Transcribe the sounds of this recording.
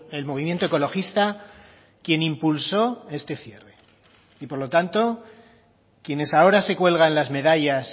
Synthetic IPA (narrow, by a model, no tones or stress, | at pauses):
e̞lmo̞β̞imje̞nt̪oeko̞lo̞xist̪a | kje̞nĩmpulso̞e̞st̪e̞θje̞re̞ | ipo̞ɾlo̞t̪ant̪o̞ | kje̞ne̞sao̞ɾase̞kwe̞lɣanlazme̞ðaʎas